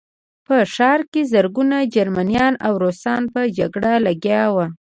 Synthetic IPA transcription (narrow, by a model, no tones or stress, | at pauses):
pəʂɑɾkezəɾɡunad͡ʒaɾmanijɑna̰wɾosɑnpəd͡ʒaɡɽalaɡjɑwa